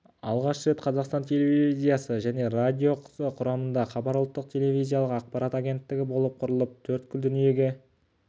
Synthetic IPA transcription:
ɑ̰lˠʁɑʃəɾe̞t̪qʰɑzɑqst̪ɑnt̪ʰʲe̞levʲiizʲijasəʒæne̞radʲio̞qʰəzəqʰʊɾɑmənd̪ɑχɑbɑɾʊlˠt̪ːəqt̪ʲʰe̞le̞vʲijzʲijalˠəqɑq̚pɑɾat̪aɡʲe̞nt̪ːɪɡʲɪbo̞lˠəp̚qʰʊɾəlˠəp̚t̪ʰɵɾt̪̚kʰʲʏld̪ʏnije̞ɡʲe̞

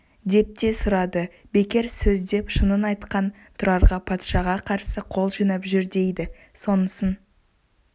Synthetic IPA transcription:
d̪e̞p̚t̪e̞sʊɾɑd̪ə | be̞kʲe̞ɾsɵzd̪e̞pʃənənɑjt̪qɑn | t̪ʰʊɾɑɾʁɑpʰɑt̪ʃɑʁɑqʰɑɾsəqʰo̞lˠʒɵnɑpʒʏɾd̪e̞jd̪ɪ | so̞nəsən

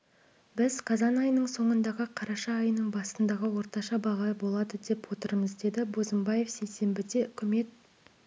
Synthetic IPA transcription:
bɪzqʰɑzɑnɑjnəɴso̞ɴənd̪ɑʁəqʰɑɾɑʃɑːjnəɴbɑsənd̪ɑʁəwo̞ɾt̪ɑʃɑbɑʁɑbo̞lˠɑd̪əd̪e̞pwo̞t̪əɾməzd̪e̞d̪ɪbozəmbɑje̞fsejse̞mbɪd̪e̞ʏkʲʰɪme̞t̪̚

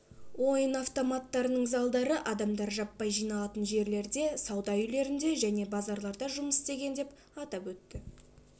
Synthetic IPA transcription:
wo̞jənaft̪o̞mɑt̪ːɑɾənəɴzɑlˠd̪ɑɾəʔɑd̪ɑmd̪ɑɾʒɑpːɑjʒijnɑlˠɑt̪ənʒe̞ɾle̞ɾd̪e̞sɑwd̪ɑjʏle̞ɾɪnd̪e̞ʒæne̞bɑzɑɾlˠɑɾd̪ɑʒʊməsɪst̪e̞ɡʲe̞nd̪e̞p | ɑt̪ɑpwɵt̪ːɪ

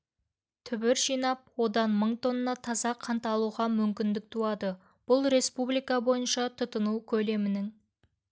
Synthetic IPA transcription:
t̪ʰʏbɪɾʒijnɑp̚wo̞d̪ɑnməɴt̪ʰo̞nənɑt̪ʰɑzɑqʰɑnt̪ɑlˠuʁɑmʏmkʲɪnd̪ɪk̚t̪ʰuɑd̪ə | b̥ʊlˠɾe̞spublˠijkɑbo̞jənʃɑt̪ʰʊt̪ənuwkʲʰɵle̞mɪnɪŋ

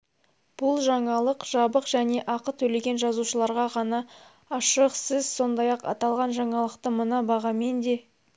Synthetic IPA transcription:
b̥ʊlˠʒɑɴɑlˠəqʒ̥ɑbəqʒ̥æne̞ʔɑqət̪ʰɵle̞ɡʲe̞nʒɑzuʃəlˠɑɾʁɑʁɑnɑː | ʃəqsəzso̞nd̪ɑjɑqɑ̰t̪ɑlˠʁɑnʒɑɴɑlˠəqt̪əmənɑbɑʁɑme̞nd̪e̞

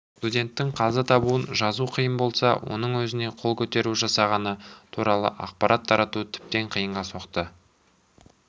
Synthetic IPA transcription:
st̪udʲe̞nt̪ːɪɴqʰɑzət̪ʰɑbuənʒɑzuqʰəjəmbo̞lˠsɑ̰wo̞̰n̪əɴwɵzɪne̞qʰo̞lˠkʲʰɵt̪e̞ɾuʒɑsɑʁɑnət̪ʰuɾɑlˠə̰ʔɑ̰q̚pɑɾʔɑt̪ʰːɑɾɑt̪ut̪ʰɪ̥p̚t̪e̞ɴqʰijəɴʁɑso̞qt̪ə

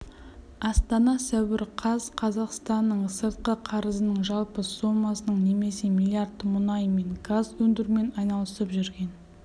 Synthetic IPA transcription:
ɑst̪ɑnɑsæwɪɾqʰɑzqʰɑzɑqst̪ɑnːəɴsəɾt̪̚qəqʰɑɾəzənəɴʒɑlˠpəsumːɑsənəɴne̞me̞se̞mʲilʲˠijart̪ːəmʊnɑjme̞ŋɡazwɵnd̪ɪɾme̞nɑjnɑlˠəsəpʒʏɾɡʲe̞n

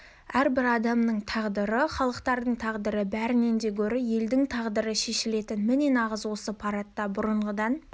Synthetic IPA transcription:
æɾbɪɾɑd̪ɑmnəɴt̪ʰɑʁd̪əɾəχɑlˠəqt̪ɑɾd̪əɴt̪ʰɑʁd̪əɾəbæɾɪne̞nd̪e̞kʲʰɵɾɪje̞ld̪ɪŋt̪ʰɑʁd̪əɾəʃe̞ʃɪle̞t̪ɪnmɪne̞nɑʁəzwo̞səpʰɑɾɑt̪ːɑbʊɾəɴʁəd̪ɑn

